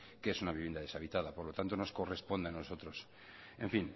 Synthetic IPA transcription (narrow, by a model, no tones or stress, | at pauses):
keesunaβiβe̞nd̪aðe̞saβit̪aðapo̞ɾlo̞t̪ant̪o̞no̞sko̞re̞spo̞nd̪eano̞so̞t̪ɾo̞s | e̞ɱfin